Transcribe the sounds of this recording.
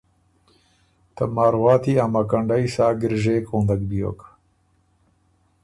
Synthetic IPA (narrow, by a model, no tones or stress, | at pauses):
t̪ɐmaːɾwaːt̪iamakɐɳɖaisaːɡɪɾʒeːkʰõːnd̪ɐkbijo̰k